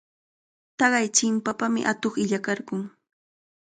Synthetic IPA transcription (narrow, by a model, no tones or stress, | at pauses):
t̪ɑɢɑjt͡ʃɪmpapamɪ̰ʔat̪oχɪʎakɑɾɢʊŋ